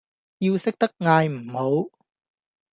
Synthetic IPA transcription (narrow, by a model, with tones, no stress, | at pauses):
jiː˧wsɪ˥k̚t̪ɐ˥k̚ŋaː˧jm̩˨˩ho˨˥w